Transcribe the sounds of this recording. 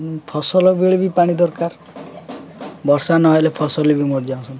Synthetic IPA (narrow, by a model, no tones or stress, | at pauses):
pʰɔsɔlɔbiɭibipaɽ̃id̪ɔɾkaɾ | bɔɾsanɔɦelepʰɔsɔlibimoɽd͡ʒaũsʰɔn